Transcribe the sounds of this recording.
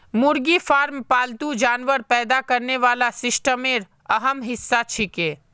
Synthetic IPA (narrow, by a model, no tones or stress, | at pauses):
mʊɾɡifaːɾmpaːlt̪ud͡ʒaːnʋəɾpɛːd̪akɐɾneʋaːlasɪsʈəmeːɾ | ɐɦəmɦɪsːat͡ʃʰɪkeː